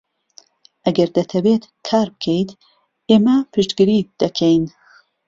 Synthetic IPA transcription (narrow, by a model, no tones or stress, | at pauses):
ʔɐɡɐɾd̪ɐt̪ʰɐbet̪kʰaːɾbɨkʰejt̪ | eːmɐpʰɨʃɡɨɾid̪̥ɐkʰejn